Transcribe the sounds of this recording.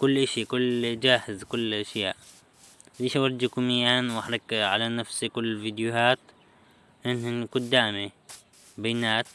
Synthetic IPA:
kʊlːʔaʃikʊlːd͡ʒaːhɪzkʊlːʔaʃjaːʔ | liːʃawɑɾd͡ʒikumijaːnwaħɾˤɑkʕalanafsikʊlːvid̪juhaːt̪ | ʔɪnhinkʊd̪ːaːmi | bajnaːt̪̚

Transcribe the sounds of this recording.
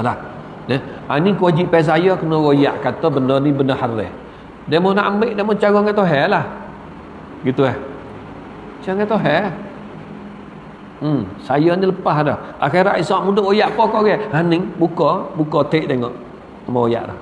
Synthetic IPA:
lah | nɛa̰nikəwad͡ʒiʔpɛs̬ajɔkənɔwojaʔkat̪ɔbənənibənəhaɾɛ̰ | damɔnaʔambɪʔdamɔt͡ʃaɣɔŋat̪oɦɛlah | ɡit̪uɛh | t͡ʃaŋɛt̪oɦɛ | sajɔniləpaɦdɔha̰xeɾaʔisaʔmudʊʔojaʔpɔkɔʔɡɛhanɪŋbukɔbukɔt̪eʔt̪eŋɔʔ | amɔoja̰ʔdɔ̰h

